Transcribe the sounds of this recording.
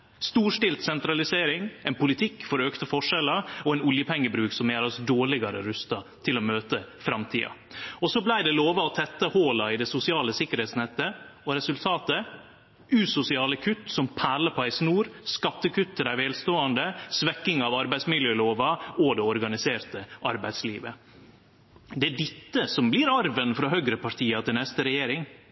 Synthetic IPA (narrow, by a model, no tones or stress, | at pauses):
st̪uːʂʈɪlt̪sɛnt̪ɾɑlɪseːɾɪŋæɪnpʊlɪt̪ʰɪkːfɔɾøːkt̪əfɔʂɛlɑɔɛɪnʊljəpʰɛŋːəbɾʉːksɔmjæːɾɑsd̪oːɭɪɡɑɾə̰ɾʉst̪ɑt̪ʰɪlɔmøːt̪əfɾɑmt̪ʰḭːɑ̰ | ɔsɔblæɪd̪ɛloːʋɑɔt̪ʰɛt̪ːəhoːlɑɪd̪ɛsʊsɪɑːləsɪkːəɾheːt̪snɛt̪ːəɔɾɛsʉlt̪ʰɑːt̪ə | ʉːsʊsɪɑːləkʰʉt̪ːsɔmpʰæːləpʰɔæɪsnuːɾskɑt̪ːəkʰʉt̪ʰːəd̪æɪʋeːlst̪oːɑnd̪əsʋɛkːɪŋɑʋɑɾbæɪsmɪljøːloːʋɑɔd̪ɛɔɾɡɑnɪseːɾt̪əʔɑɾbæɪd̪sliːʋə̰ | d̪ɛæɖɪt̪ːəsɔmbliːɾɑɾʋənfɾɑɦœɡɾəpɑʈ̪ʰiːɑt̪ʰɪlnɛst̪əɾɛjeːɾɪŋ